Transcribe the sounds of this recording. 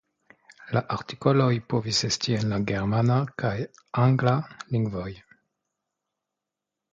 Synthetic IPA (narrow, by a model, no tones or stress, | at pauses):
laʔaɾti̥kolojpovisestienlaɡeɾmanakaj | aŋɡlaliŋɡvoj